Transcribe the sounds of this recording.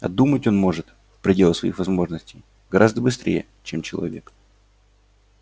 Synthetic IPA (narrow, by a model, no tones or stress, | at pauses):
ɐ̰d̪umətʲo̞nmo̞ʐɨt̪ | fpɾʲɪdʲe̞lˠəsvɐḭxvɐzmo̞ʐnəsʲtʲej | ɡɐɾʔazd̪əbɨst̪ɾʲʔḛjə̰ | t͡ɕemt͡ɕɪlˠɐ̰vʲe̞̰k